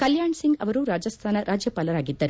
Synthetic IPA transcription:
kɐljaːɳsiŋɡɐʋɐɾuɾaːd͡ʒɐst̪ʰaːnɐɾʔaːd͡ʒjɐpaːlɐɾaːɡid̪ːɐɾe

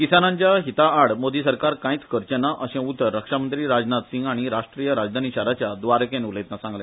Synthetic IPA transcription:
kisanãɲt͡ɕjaɦit̪aːɽmod̪isəɾkaɾkãĩt͡skʰəɾt͡ɕənaʔəɕɛ̃ut̪ːəɾːəkʂamənt̪ɾiːɾad͡znat̪siŋɡaɽ̃iɾaʂʈɾijəɾad͡zd̪ʱaniɕaɾat͡ɕjad̪ʋaɾkẽnulet̪nasãŋɡlẽ

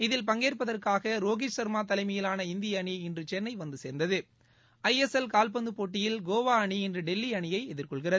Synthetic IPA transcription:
ɪðɪlpɐŋɡeːrpɐðɐrkaːɣɐɾoːɣɪt͡ʃsɐɾmaːt̪̬ɐlɐɪmɐjɪlaːnɐɪnd̪ɪjɐːɳiɪndrɯt͡ʃɛrnːɐɪʋɐnd̪ɯseːɾnd̪ɐðɯ | ɐjɛsɛlkaːlp̬ɐnd̪ɯpoːʈːɪjɪlɡoːʋaːɐɳiɛndrɯɖɛlːiɐɳɪjɐɪɛðɪrkɔɭɣɪrɐðɯ

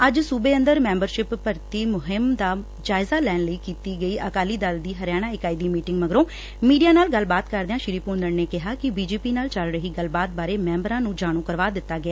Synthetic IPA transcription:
əd͡ʒsuːbeːənd̪əɾmɛ̃ːmbəɾʃɪpːəɾt̪iːmʊɦɪmd̪aː | d͡ʒaːɪzaːlɛːnləiːkiːt̪iːɡəiːʔəkaːliːd̪ald̪iːɦəɾjaːɽ̃aːɪkaːiːd̪iːmiːʈɪŋɡməɡɾõː | miːɖijaːnaːlɡəlbaːt̪kəɾd̪eãːʃɪɾiːpuːnd̪əɾneːkɪɦaːkɪbiːd͡ʒeːpiːnaːlt͡ʃəlɾəɦiːɡəlbaːt̪̚baːɾeːmɛ̃ːmbɾãːnũːd͡ʒaːɽ̃ũːkəɾʋaːd̪ɪt̪ːaːɡɪaː

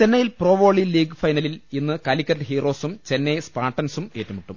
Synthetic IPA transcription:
t͡ɕe̞nːɐjilproːʋo̞ːɭiliːɡɨfɐjnɐlilinːɨkɐlikʲːɐɾʈɨhiːro̞ːsumt͡ɕe̞nːejspaːʈːɐnsume̞ːtːumiʈːum

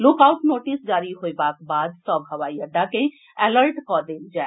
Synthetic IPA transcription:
loːkaʊʈnoːʈisd͡ʒaːɾiɦoebakbaːd̪sɔbɦɐʋaːiəɖːakẽ | ɛləɾʈkɔd̪eːld͡ʒaːe

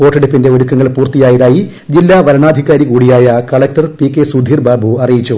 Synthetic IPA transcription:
poːʈːɐɽipːinde̞oɾukːɐŋːɐɭpuːrt̪ijaːjɐðaːji | d͡ʑilːaːʋɐɾɐɳaːd̪ʱikaːɾikuːɽijaːjɐkɐɭek̚tɐrpikːesud̪ʱiːrbʱaːbʱuɐrijit͡ɕːu

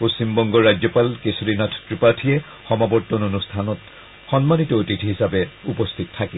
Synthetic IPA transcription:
post͡ɕimbɔŋɡɔɹːad͡ʒɔpalkesudinatʰɔ̥tɹipatʰijɛ | xɔmabɔtːɔnonustʰanɔt | xɔnmanitɔotitʰɦisabɛupɔstʰitɔtʰːakɛ

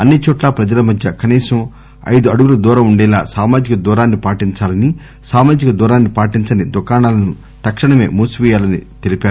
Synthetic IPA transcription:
ɐnːit͡ʃɔːʈlaːpɾɐd͡ʒɐlɐmɐd̪jɐkɐniːsɐm | ɐ̰jd̪uɐɽuɡulɐd̪uːɾɐmuɳɖɛːlaːsaːmaːd͡ʒikɐd̪uːɾaːnːipaːʈiɲt͡ʃaːlɐni | saːmaːd͡ʒikɐd̪uːɾaːnːipaːʈiɲt͡ʃɐnid̪ukaːɳaːlɐnu | t̪ɐkʂɐɳɐme̞̰ːmuːsuʋɛːjaːlɐnit̪elipaːɾu

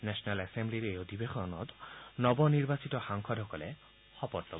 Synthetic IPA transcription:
nɛsɔnalɛsembliɾejod̪ʱibexɔnɔ̰t̪nɔbɔniɾbasit̪ɔxaŋkʰɔdʱɔkɔle | hɔpɔɾt̪ɔ

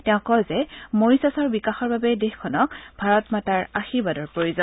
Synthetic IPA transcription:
tɛʊ̃kɔzɛmoɹisasɔɹbikaxɔɹbabɛdexkʰɔnɔkb̥ʱaɹɔtmataɹaxiɹbadɔɹpɹojuzɔn

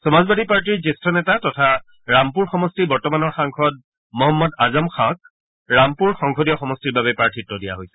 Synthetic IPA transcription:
sɔmazbadipaɹt̬iɹtestʰɔnɛtatɔtʰa | ɹampuɹxɔmɔstibɔɹtɔmanɔɹxaŋkʰɔd̚ | mɔɦɔmːɔdazɔmkʰãk̚ | ɹampuɹxɔŋkʰɔdijɔxɔmɔstiɹbabɛpɹaɹtʰitːɔdija̰ɦojsɛ̥

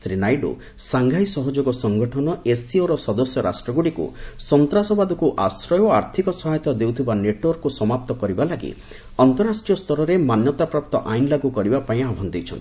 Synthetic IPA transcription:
sɾinajɖṵ | saŋɡʱajsɔɦɔd͡ʒoɡɔsɔŋɡɔʈʰɔnɔesioɾɔsɔd̪ɔsjɔɾa̰sʈɾɔɡuɽikṵsɔnt̪ɾasɔbad̪ɔkuʔasɾɔjɔaɾt̪ʰikɔsɔɦajt̪ɔd̪ewt̪ʰibaneʈwɔɾkusɔmap̚t̪ɔkɔɾibalaɡḭ | ɔnt̪ɔɾːasʈijɔst̪ɔɾɔɾemanjɔt̪apɾap̚t̪ɔʔajnlaɡukɔɾibapaĩabʱɔnd̪ejt͡ʃʰɔ̰nt̪i

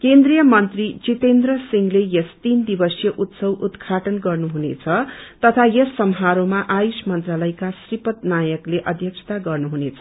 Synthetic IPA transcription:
kend̪rijʌmʌnt̪rit͡sit̪end̪rʌsiŋlejest̪ind̪ibʌsjʌʔut̪sʌwud̪kʰaʈʌnɡʌrnuɦunḛt͡sʰʌt̪ʌt̪ʰajesːʌmɦaɾomaʔajusmʌnt̪ralʌjkasripʌt̪̚najʌkleʔʌd̪ʱjʌksʰʌ̥t̪aɡʌrnuɦunet͡sʰʌ

